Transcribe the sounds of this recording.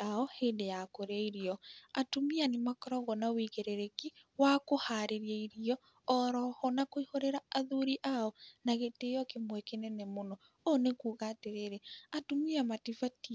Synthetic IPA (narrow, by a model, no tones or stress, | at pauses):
aɔheːndejakoɾeaiɾiɔatumianemakɔɾɔɣɔnawiɣeɾeɾekiwakohaɾeɾiaiɾiɔ | ɔɾɔhɔnakoihoɾeɾaaðuɾiʔaɔnaɣeteːjɔkemwɛkenɛnɛmonɔ | onekuːɣateɾeɾeatumiamatifati